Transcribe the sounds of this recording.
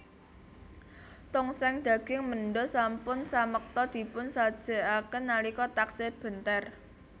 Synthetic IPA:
t̪ʊŋsɛŋd̪̥ä̤ɡ̥ɪŋməɳɖɔsampʊnsamək̚t̪ɔd̪̥i̤pʊnsad̥ʒ̥ə̤akənːalikɔt̪akseb̥ə̤nt̪ɛr

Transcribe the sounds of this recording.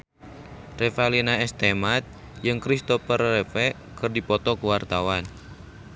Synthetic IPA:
rɛfalinaɛst̪emat̪̚ | jɨŋkɾist̪ɔpərːɛfɛ | kɨrdipɔt̪ɔkuwart̪awan

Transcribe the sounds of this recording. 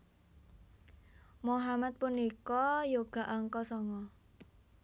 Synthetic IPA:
moɦamat̪̚punikɔjoɡ̥a̤ʔaŋkɔsɔŋɔ

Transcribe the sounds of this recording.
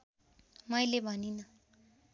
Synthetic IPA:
mʌjlebʱʌninʌ

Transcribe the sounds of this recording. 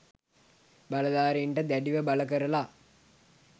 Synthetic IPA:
bɐlɐd̪aːɾiɳʈəd̪æɖiʋəbɐləkəɾəla

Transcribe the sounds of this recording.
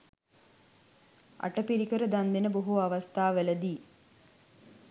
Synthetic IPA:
a̰ʈəpiɾikəɾəd̪and̪enəboɦuaʋast̪aːʋeləd̪iː

